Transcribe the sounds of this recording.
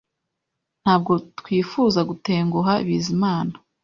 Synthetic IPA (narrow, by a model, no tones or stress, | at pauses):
n̥haːb̚ɡo̞tkwiːfuːzaɡute̞ːŋɡuɦaḭβiːzimaːna